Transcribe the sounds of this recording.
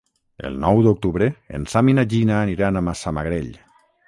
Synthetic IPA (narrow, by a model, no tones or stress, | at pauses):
ḛlˠnɔwðok̚t̪uβɾeḛnsaminaʒinaːniɾanamasama̰ɣɾeʎ